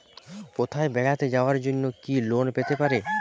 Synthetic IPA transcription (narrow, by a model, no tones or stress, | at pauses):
kot̪ʰaebɛɡat̪ed͡ʑaoaɾd͡ʑonːokilonpet̪epaɾe